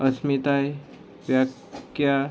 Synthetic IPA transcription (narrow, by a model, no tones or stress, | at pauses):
əsmit̪aj | ʋjak | ja